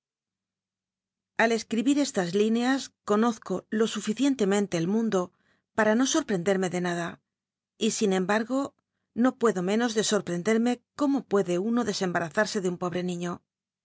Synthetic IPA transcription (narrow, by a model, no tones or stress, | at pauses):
ale̞skɾiβiɾe̞st̪azlineasko̞no̞θko̞lo̞sufiθje̞nt̪e̞mẽ̞nt̪e̞ːlmũnd̪o̞ | paɾano̞so̞ɾpɾe̞nd̪eɾme̞ðe̞naða | isinẽ̞mbaɾɣo̞ | no̞pwe̞ðo̞mẽ̞no̞zðe̞so̞ɾpɾe̞nd̪e̞ɾme̞ko̞mo̞pwe̞ðe̞uno̞ðe̞se̞mbaɾaθaɾse̞ðeumpo̞β̞ɾe̞nĩɲo̞